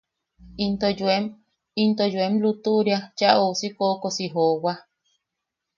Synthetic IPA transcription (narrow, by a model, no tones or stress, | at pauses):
int̪od͡ʒuem | int̪ojuemlut̪uʔɾjat͡ʃaʔosikokosiɦowa